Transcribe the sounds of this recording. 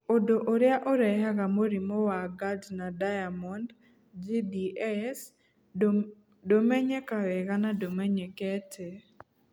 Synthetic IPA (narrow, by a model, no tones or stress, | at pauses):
odoʔoɾɪaʔɔɾɛjaɡamoɾimɔwaɡadnadajamɔnd | d͡ʒidiɛs | domɛɲɛkawɛɡanadomɛɲɛkɛtʰe